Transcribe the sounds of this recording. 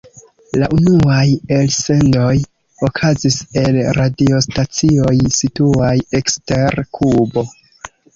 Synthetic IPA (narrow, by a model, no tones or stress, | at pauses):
laʔunuajelse̞ndo̞j | o̞kʰazise̞lɾadio̞stat͡sio̞jsituajekste̞ɾkʰubo̞